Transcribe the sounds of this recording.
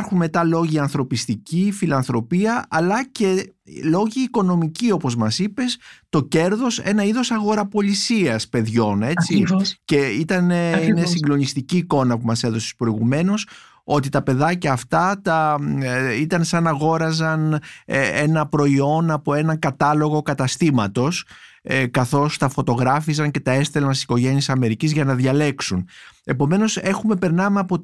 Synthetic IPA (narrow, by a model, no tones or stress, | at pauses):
ɾxunme̞t̪ɐlo̞ʝiɐnθɾo̞pist̪icifilɐnθɾo̞piɐʔɐlɐce̞lo̞ʝiːko̞no̞micio̞po̞zmɐsipe̞st̪o̞ce̞ɾðo̞se̞̰nɐiðo̞sɐɣo̞ɾɐpo̞lisiɐspe̞ðʝo̞ne̞t͡sice̞it̪ɐneinesiŋɡlo̞nist̪iciːko̞nɐpumɐse̞ðo̞se̥spɾo̞iɣume̞no̞s | o̞t̪it̪ɐpe̞ðɐcɐːft̪ɐt̪ɐ | it̪ɐnsɐnɐɣo̞ɾɐzɐn | enɐpɾo̞io̞nɐpo̞e̞nɐŋkɐt̪ɐlo̞ɣo̞kɐt̪ɐst̪imɐt̪o̞s | kɐθo̞st̪ɐfo̞t̪o̞ɣɾɐfizɐŋce̞t̪ɐe̞st̪e̞lɐnsi̥si̥ko̞ʝe̞nisɐme̞ɾicizʝɐnɐðʝɐle̞ksune̞po̞me̞no̞se̞xume̞pe̞ɾnɐmeɐpo̞